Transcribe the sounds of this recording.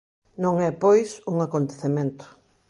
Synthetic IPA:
nõŋɛpojsuŋakont̪eθemẽnt̪ʊ̥

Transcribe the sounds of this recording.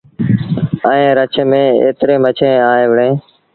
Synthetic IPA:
əẽːɾət͡ʃʰmẽːḛːt̪ɾẽːmət͡ʃʰẽːaːeːʋəɳẽː

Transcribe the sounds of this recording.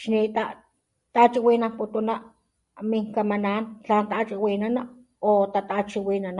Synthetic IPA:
ʃnit̪a | t̪aʔt͡ʃiwinamput̪una | miŋkamanant͡ɬaːnt̪aʔːt͡ʃiwiːnana | ot̪at̪at͡ʃiwinana

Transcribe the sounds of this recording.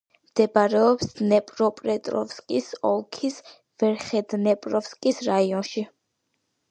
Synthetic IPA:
md̪̥ɛbaɾɛɔpsnɛpʼɾɔpʼɾɛt̪ʼɾɔ̰fskʼisɔlˠkʰis | vɛɾχɛd̪nɛpʼɾɔfskʼisɾaiɔnʃi

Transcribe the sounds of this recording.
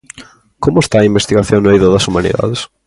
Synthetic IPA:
komʊest̪aɐimbest̪iɣaθjoŋnejðoðɐsumanḭða̰ðes

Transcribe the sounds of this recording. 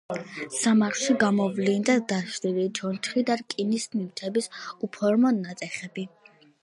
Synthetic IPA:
samaχˠʃiɡamɔvlind̪ad̪aʃɾilid͡ʒʰɔnt͡ʃʰχid̪aɾkʼinisniwt̪ʰɛbisupʰɔɾmɔnːat̪sʼɛχɛbi

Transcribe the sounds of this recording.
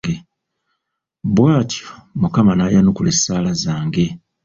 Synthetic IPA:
e | bwaːtjomukamanajanukulesaːlazaːŋɡe̞

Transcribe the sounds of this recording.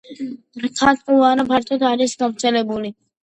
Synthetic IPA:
kʰat̪ʼqʼuvaɾapʰaɾt̪ʼɔt̪ʰaɾisɡavɾt̪sʰɛlɛbuli

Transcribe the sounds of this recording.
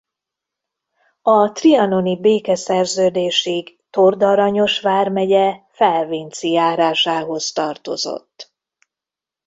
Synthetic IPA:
ɒt̪riɒno̞nibeːkɛsɛrzøːd̪eːʃiɡ | t̪o̞rd̪ɒɾɒɲo̞ʃʋaːrmɛɟɛfɛlviːnt̪sijaːɾaːʃaːɦo̞st̪ɒrt̪o̞̰zo̞̰t̪ː

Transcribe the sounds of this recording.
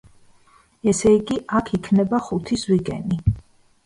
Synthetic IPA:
ɛsɛiɡiʔakʰikʰnɛbaχut̪ʰiswiɡʼɛni

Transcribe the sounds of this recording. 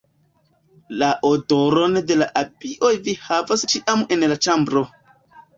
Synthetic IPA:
laʔodoɾo̞nde̞laʔabiʔo̞jvihavast͡ʃiʔame̞nlat͡ʃambɾo̞

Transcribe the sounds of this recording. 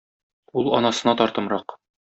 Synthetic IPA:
ulˠɒ̰nɑsɤ̆nɑt̪ɒɾt̪ɤ̆mɾɑq

